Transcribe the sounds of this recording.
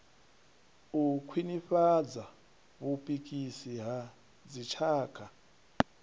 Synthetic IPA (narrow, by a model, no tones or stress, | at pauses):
ukʰwiniɸad͡za | βupʼikʼisiɦa | d͡zit͡ʃʰaːkʰa